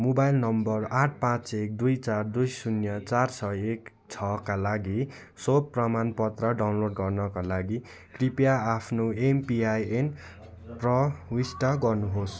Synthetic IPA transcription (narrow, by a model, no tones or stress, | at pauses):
mobajlnʌmbʌraʈ̚ʰpãt͡sek̚d̪ujt͡sard̪ujsunjʌt͡sarsʰʌek | t͡sʰʌkalaɡi | sopːrʌmanpʌt̪rʌɖawnloɖɡʌrnʌkalaɡi | kripjaːpʰnoempiajen | prʌwisʈaɡʌrnuɦos